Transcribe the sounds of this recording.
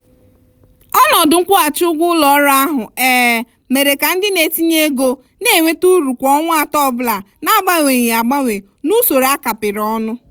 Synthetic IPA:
ɔ˦nɔ˨dʊ˨ŋ̩˦kʷʊ˦a˨t͡ʃʊ˦ɡʷʊ˦lɔ˨ɔ˦ɾa˦a˦ɦʊ˨eː˦˨ | me˨ɾe˨ka˨n̩˦dɪ˦ne˨ti˦ɲe˦ɡo˦ | ne˦˨ŋʷe˦tu˦ɾu˨kʷɔ˦ŋʷ˦a˨tɔ˦˨bla˨ | na˦ba˦ŋʷe˨ɲe˨a˨ɡ͡ba˦ŋʷe˨ | nu˦so˨ɾa˦ka˨pɪ˨ɾɔ˦nʊ˦

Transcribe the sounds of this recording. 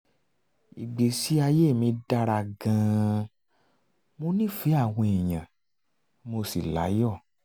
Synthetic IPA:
i˨ɡ͡be˨si˨˦a˧je˦˨mĩ˧da˧ɾa˧˨ɡã˧ | mo˧nĩ˦˨fi˨˦a˦˨w̃ɔ̃˧i˨j̃ã˨ | mo˧si˨la̰˨˦jɔ˦˨

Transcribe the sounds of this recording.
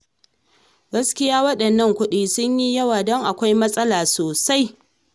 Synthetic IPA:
ɡɐ˦skʲɪ˦jaː˦wɐ˦ɗɐ˨nːɐ˦ŋkʷʊ˦ɗiː˦sʊ˦ɲji˦jɐ˦waː˨dɔ˦ŋʔa˨kʷa˦jmɐ˦sʼɐ˦laː˨soː˨sa˦j

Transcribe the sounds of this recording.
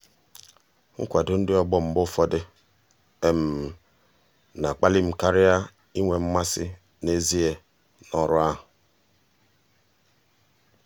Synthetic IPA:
ŋ̩̰˦kʷa˨dʊ˦n̩˦dɪ˦ɔ˦ɡ͡bɔ˦m̩˨bʊ˦fɔ˦dɪ˦ | e˦m̩˨ | na˨k͡pa˦li˦m̩˨ka˦ɾɪ˦a˦ | i˦ŋʷe˨m̩˦ma˦sɪ˦ | ne˦zi˦e˨ | nɔ˦ɾʊ˦a˦ɦʊ˨

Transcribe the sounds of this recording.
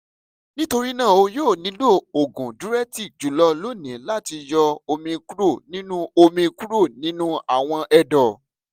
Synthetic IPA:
nĩ˦to˧ɾi˦nãː˦˨o˧joː˦˨nĩ˨˦lo˦˨o˨ɡũ˨du˨˦ɾɛ˦ti˦˨d͡ʒu˨˦lɔ˦lo˦˨nĩ˨˦la˦˨ti˧jɔ˧o˧mĩ˧ku˦ɾo˦˨nĩ˦nũ˦o˧mĩ˧ku˦ɾo˦˨nĩ˦nũ˦a˦˨w̃ɔ̃˧ʔɛ˧dɔ˨

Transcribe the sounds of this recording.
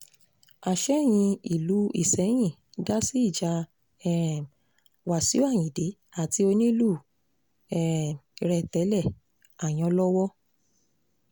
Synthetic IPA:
a˨ʃɛ˦˨j̃ĩ˧i˨lu˨˦ḭ˦˨sɛ˨˦j̃ĩ˦˨ | da˦si˦i˦˨d͡ʒa˧ | ɛ˨ | wa˨si˨˦o˦a˦˨j̃ĩ˨de˨˦ | a˨ti˧o˧nĩ˦lu˦˨ | ɛ˦˨ɾɛ˨tɛ˨˦lɛ˦˨ | a˨j̃ɔ̃˨˧˦lɔ˦wɔ˦

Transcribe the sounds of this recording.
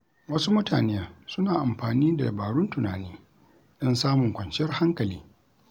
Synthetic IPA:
wɐ˦su˦mʊ˦tʰa̰ː˨neː˦ja˨sʊ˦naː˨ʔa˨mɸaː˨niː˦da˨jbaː˨ɽʊ˦ntʊ˨naː˨niː˦ | ɗɪ˦nsaː˦mʊ˨ŋkʷɐ˨nt͡ʃjɐ˦rha˦ŋkɐ˨liː˦

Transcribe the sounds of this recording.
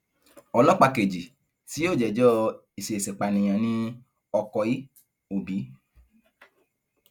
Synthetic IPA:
ɔ˧lɔ˦k͡pa˧ke˨d͡ʒi˨ | si˨˦o˦˨d͡ʒɛ˨d͡ʒɔ˦ | i˨se˨e˨sɛ˨k͡pa˨nĩ˨j̃ã˨nĩ˧ | ɔ˧kɔ˧i˦ | o˨bi˨˦

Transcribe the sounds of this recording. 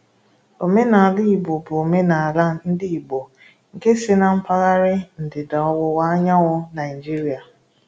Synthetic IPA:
o˨me˦na˨a˨li˦i˨bo˨bʊ˨o˨me˦na˨la˦n̩˦dɪ˦i˨bo˨ | ŋ̩˨ke˦sɪ˦na˦m̩˦pa˦ɣa˦ɾɪ˦n̩˨dɪ˨da˨ɔ˦wʊ˦wa˦ɲa˦wʊ˦na˨i˨d͡ʒi˦ɾi˨a˨

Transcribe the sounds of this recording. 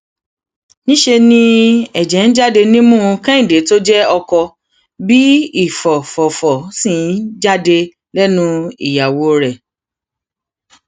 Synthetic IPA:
nĩ˦ʃe˧nĩ˦ɛ˨d͡ʒɛ˨˦n̩˦d͡ʒa˦˨de˧nĩ˦mũ˦˨˧kɛ̃˦ĩ˨de˨˦to˦d͡ʒɛ˦ɔ˧kɔ˧ | bi˦i˦˨fɔ˨fɔ˨fɔ˨sĩ˦˨n˦d͡ʒa˦de˧ | lɛ˦nũ˦ḭ˨ja˨wo˨˦ɾɛ˨

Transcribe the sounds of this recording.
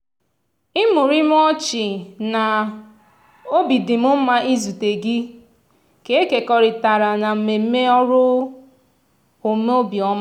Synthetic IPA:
i˦mʊ˨ɾi˦m˦ɔ˦t͡ʃɪ˨na˨ | o˦bi˨dɪ˨mʊ˦m̩˦ma˦ʔi˦zu˨te˨ɡi˦ | ke˨e˦ke˨kɔ˨ɾɪ˨ta˨ɾa˨na˨m̩˨me˨m̩˦me˦ɔ˦ɾʊ˦ | o˨me˦o˦bjɔ˦ma˦

